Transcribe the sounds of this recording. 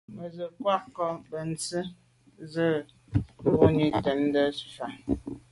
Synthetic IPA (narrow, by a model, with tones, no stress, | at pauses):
mə˨zə˨kwa˦kɔ˨bə˨n̩˨t͡sə˦ | zə˦˨˦ | bo˦ni˦tɛ˨˦n˦də˦sfa˨